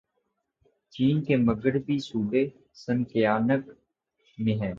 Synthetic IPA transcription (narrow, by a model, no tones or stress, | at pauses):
t͡ʃiːnkeːməɡəɾbʱisuːɖeː | sənkɪjaːnək | mẽːɦɛ̃ː